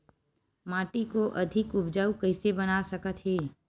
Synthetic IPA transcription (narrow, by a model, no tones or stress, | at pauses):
maːʈikoʔɐd̪ʱɪkʊbd͡ʒaːukəɪsebɐnasəkət̪ɦeː